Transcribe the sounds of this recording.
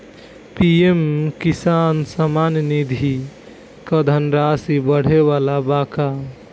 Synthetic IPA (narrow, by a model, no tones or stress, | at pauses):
piemkisansəmannid̪ʱi | kəd̪ʱənɾasibəɽ̤eʋalabaka